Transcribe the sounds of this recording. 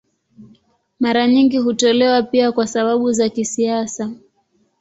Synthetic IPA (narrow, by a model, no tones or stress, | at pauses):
maɾaɲiŋɡiɦutɔlɛwapiakwasaɓaɓuzakisiasa